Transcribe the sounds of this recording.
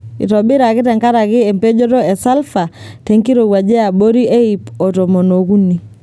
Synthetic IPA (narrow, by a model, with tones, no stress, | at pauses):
ḭ˨tɔ˨bɪ˦ɾa˨kɪ˦tɛ˨ŋka˦ɾa˨kɪ˦ɛ˨mpe˦d͡ʒo˦tɔ˦ɛ˨sa˦lfa˨tɛ˨ŋki˦ɾo˨ɡwa˨d͡ʒɛ˦a˨bo˦ɾi˦ʔe˦i˨pɔ˨to˨mo˨no˨ku˦ni˨